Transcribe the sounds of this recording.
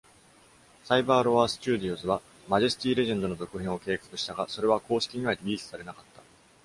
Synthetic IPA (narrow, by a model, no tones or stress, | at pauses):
saibaːɾo̞βaːsɨ̥t͡ɕɨːd̪ʲiozɨβa | maʑesɨ̥t̪ʲiːɾe̞ʑẽ̞nd̪o̞no̞zo̞kɯ̟ɦẽɰ̃o̞ke̞ːkḁkɯ̟ɕi̥t̪aɡaso̞ɾe̞βako̞ːɕi̥kʲiɲ̟iβ̞aɾʲiɾʲiːsɨ̥saɾe̞nakat̪ːḁ